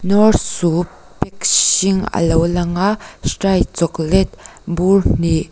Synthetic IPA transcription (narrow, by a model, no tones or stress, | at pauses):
nɔrsu | pɛk̚siŋə̰lowlaŋasʈajt͡sɔklɛt̪̚burn̥i